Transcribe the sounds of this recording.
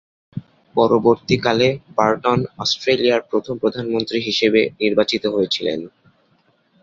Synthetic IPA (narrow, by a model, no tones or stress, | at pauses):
pɔɾoboɾt̪ikalebaɾʈonɔsʈɾeliaɾpɾot̪ʰompɾod̪ʱanmont̪ɾiɦiʃebeniɾbat͡ɕit̪oɦojet͡ɕʰilḛn